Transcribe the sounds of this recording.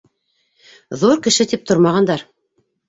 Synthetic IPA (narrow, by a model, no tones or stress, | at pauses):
ðuɾkɘ̆ʃɘt̪ip̚t̪ŏɾmɑʁɑnd̪ɑɾ